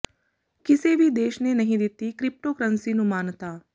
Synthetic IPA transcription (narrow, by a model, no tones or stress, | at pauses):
kiseːʋid̪eːʃneːnɐɦĩd̪it̪ːikɾip̚ʈoːkɾɐnsinumaːnɐt̪aː